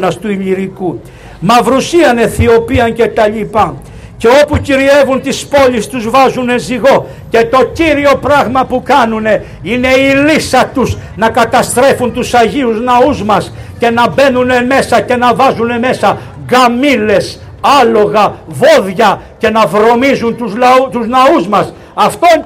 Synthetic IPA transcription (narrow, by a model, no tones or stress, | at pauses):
nɐst̪uiʎiɾiku | mɐvɾusiɐne̞θio̞piɐnce̞t̪ɐʎipɐ | ce̞o̞puciɾie̞vunt̪ispo̞ʎist̪uzvɐzune̞nziɣo̞ | ce̞t̪o̞ciɾio̞pɾɐɣmɐpukɐnune̞ | ine̞ilisɐt̪uznɐkɐt̪ɐst̪ɾe̞funt̪usɐʝiuznɐuzmɐsce̞nɐbe̞nuneme̞sɐce̞nɐvɐzune̞me̞sɐ | ɣɐmile̞s | ɐlo̞ɣɐvo̞ðʝɐ | ce̞nɐvɾo̞mizunt̪uzt̪uznɐuzmɐs | ɐft̪o